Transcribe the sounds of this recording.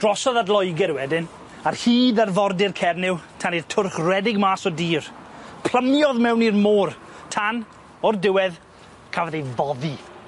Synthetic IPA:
d̥rɔsɔðadlˠɔjɡɛɾwɛdɪn | arhiːðarvɔrdɪrkʰɛrnɪwtʰanirtʰʊrχrwɛdɪɡmaːsɔdiːrpʰl̥ˠəmjɔðmɛwnirmoːr | tʰan | ɔrdɪwɛð | kʰavaðejvɔði

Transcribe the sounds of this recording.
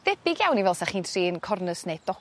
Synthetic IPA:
ðɛb̥ɪɡjawnivɛlˠsaχiːntʰriːnkʰɔrnəsned̥ɔ

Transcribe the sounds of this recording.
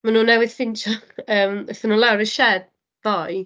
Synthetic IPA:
manuːnɛwɪð̥fɪnt͡ʃʰɔəːmɛθənuːlawɾəʃɛd̥̚ | v̥ɔj

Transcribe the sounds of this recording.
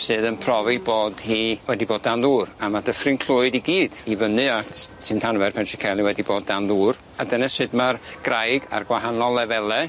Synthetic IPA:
sɨːðənpʰrɔvɨboːd̥hiːwɛdiboːdanðuːramadəfrɨnkʰlʊɨdiɡiːd̥ivənɨatʰtʰɨntʰanvɛrpʰɛntʰikʰɛlˠiwɛdiboːd̚ːanðuːr | adənasɨdmarɡ̥rajɡa̰rɡwaɦanɔlˠɛvɛlˠɛ

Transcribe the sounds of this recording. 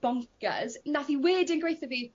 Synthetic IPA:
b̥ɔ̃ŋkə̰znaθiwɪːdə̃nɡɹejθəvi

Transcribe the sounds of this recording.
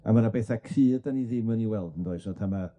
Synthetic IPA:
a̰manabɛθakʰriːdaniðɪməniwɛlˠdəndoɨsnɔtʰama

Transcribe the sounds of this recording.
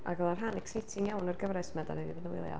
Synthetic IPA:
ʔa̰ɡɛlˠarɦanɪksejtʰɪŋjawnərɡəvɾɛsmɛda̰nɛdibɔdənwɪ̰lˠja̰

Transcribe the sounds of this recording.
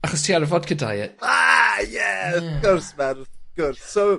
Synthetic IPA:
aχɔstʰiːarvɔd̥kʰəda̰jɪtajɛɡɔrsmɛɾɡ̥ʊrsːow

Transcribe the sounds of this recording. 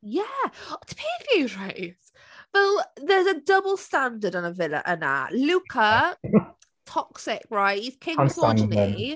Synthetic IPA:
jætʰə̥pʰiːfjʉɹaɪs | b̥əlˠðəzədʌbəlˠstãndədn̩əvɪlə̰ʔə̰̃nðə̰ʔlʉˑkʰə | tʰɒksɪkɹaɪʔiz̥kʰɪ̃ŋsɔd͡ʒən

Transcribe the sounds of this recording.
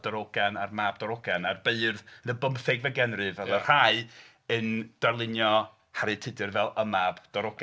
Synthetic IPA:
d̥ɔɾɔɡanarmabdɔɾɔɡanarbeɨrðnəbəmfɛɡvɛɡɛnrɨvɛlˠərraɨ | ənd̥arlˠɪnjɔ | haɾɨtʰɨdɨrvɛlˠəmab̥d̥ɔɾɔɡ

